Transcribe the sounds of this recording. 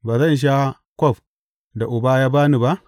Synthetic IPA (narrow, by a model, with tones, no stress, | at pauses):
baː˨zɐ˦nʃ̬a˦ | kʷɔ˦˨ɸ | da˨ʔʊ˨ba˦jaː˦baː˦ni˨ba˦ʔ